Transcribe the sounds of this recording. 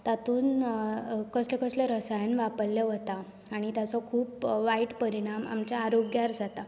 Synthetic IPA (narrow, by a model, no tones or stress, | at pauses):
t̪at̪uːn | kəslɔkəslɔɾəsajənʋapəlːjɔʋət̪a | aɽ̃it̪jat͡sɔkʰuːpʋaiʈpəɾiɽ̃ama̰mt͡ɕjaːɾoɡjaɾd͡zʱat̪a